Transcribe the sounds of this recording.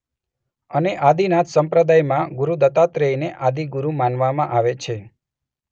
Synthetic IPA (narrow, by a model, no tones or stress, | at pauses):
əneʔad̪inat̪ʰsəmpɾəd̪ajmãɡuɾud̪ət̪at̪ɾeineʔad̪iɡuɾumanʋamãʔaʋet͡ʃʰe